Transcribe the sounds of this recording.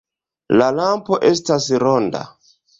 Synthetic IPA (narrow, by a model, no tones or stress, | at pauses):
lalampo̞ʔe̞stasɾo̞nda̰